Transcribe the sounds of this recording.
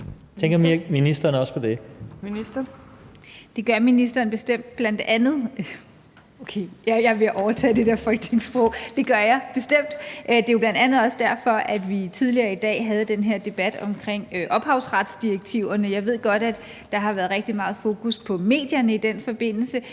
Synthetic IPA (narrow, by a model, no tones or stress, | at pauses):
t͡sʰeŋɡ̥ɐmiminisd̥ɐnəɒspʰɒ̽d̥e̝miisd̥ɐ | d̥e̝ɡ̥ɶɐminisd̥ɐːnb̥e̝sd̥em̰d̥̚b̥lænd̥ænð̩ˠ | okʰeːjjɑ̈ɪʋe̝ʔɒʊɐt͡sʰɛ̰ːd̥e̝d̥eɐfɒ̽lɡ̥t͡sʰe̝ŋsb̥ʁɔʊd̥e̝ɡ̥ɶɐjɑ̈ɪb̥e̝sd̥em̰d̥ʔd̥e̝jʊb̥lænd̥ænð̩ˠɒ̽sd̥æɐfɒ̽ʔæd̥ʋit͡sʰið̞ˠliɐːid̥ɛ̰ːɦæð̞ˠəd̥enɦeɐ̰d̥e̝b̥æd̥ɒ̽mkʰʁeŋ̰øʔɒ̽b̥ɦɑ̈ʊsʁɑ̈d̥sd̥ieɡ̥̚t͡sʰiʊɐnəjɑ̈ɪʋe̝ð̞̰ˠɡ̥ɒ̽ɾ̥æd̥ | ɑ̈ɦɑ̈ʋæːɐð̩ˠʁeɡ̥d̥imɑ̈ːð̞̩ˠfo̝ːkʰuspʰɒ̽me̝̰ːd̥jɐnəid̥en̰fɒ̽b̥e̝n̰l̩sə